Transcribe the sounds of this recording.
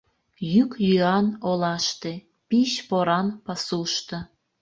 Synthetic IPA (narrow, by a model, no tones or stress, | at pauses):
jykjyɑnolɑʃt̪e | piɕpoɾɑnpɑsuʃt̪ɤ̆